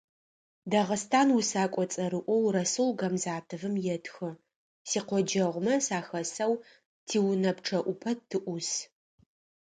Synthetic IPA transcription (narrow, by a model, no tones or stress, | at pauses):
dɐʁəstʰaːnwusaːkʷʼɔt͡sʼɐɾɨʔʷɔwrɐsulɡɐmzaːtʰɨvɨmjɛtʰxɨ | siːqʷɔd͡ʒɐʁʷmɐsaːxɐsɐw | tʰiːwʊnɐpʈ͡ʂʰɐʔʷʊpʰɐtʰɨʔʷʊs